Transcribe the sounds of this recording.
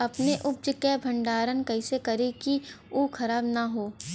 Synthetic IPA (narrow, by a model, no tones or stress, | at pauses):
ɐpneʔʊp̚d͡ʒəkebʱɐ̃ɳɖaːɾənkɐɪsekɐɾeki | uːkʰɐɾaːbnaɦoː